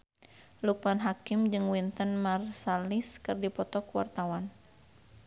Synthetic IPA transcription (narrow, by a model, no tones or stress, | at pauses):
luk̚panɦakɪmd͡ʒɨŋwint̪ənmarsaliskɨrdipɔt̪ɔkwa̰rt̪awan